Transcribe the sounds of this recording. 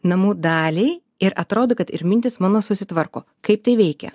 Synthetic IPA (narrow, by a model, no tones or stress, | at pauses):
nɐmuːd̪ɑːlʲɛɪ | ɪɾɐt̪ɾoːd̪okɐt̪ɪ̰ɾmʲɪnʲt̪ʲɪsmɑːnoːsʊsʲɪt̪ʋɐɾko̰ː | kɐɪp̚t̪ɐɪʋʲɛɪkʲɛ̰